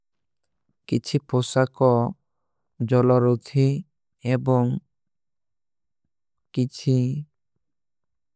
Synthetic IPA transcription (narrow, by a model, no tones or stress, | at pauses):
kit͡ʃʰiposakɔ | d͡ʒɔlɔɾud̪ʰʱi | ebɔŋ | kit͡ʃʰi